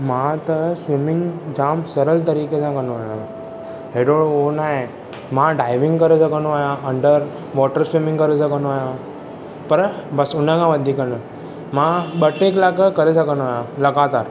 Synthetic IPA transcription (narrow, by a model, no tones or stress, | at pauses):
mãt̪əsʋimɪŋɡd͡ʒamsəɾəlt̪əɾiket͡ʃʰãkənũajã | ɦeɖoɭonae | mãɖajʋɪŋɡkəɾet͡ʃʰekənũajãʔəɳɖəɾ | ʋɔʈəɾsʋimɪ̃ŋɡkəɾet͡ʃʰekənajã | pəɾbəsunãɡãʋəd̪ʱikəɳə | mãɓəʈːeklakəkəɾet͡ʃʰəkənũajãləɡat̪aɾ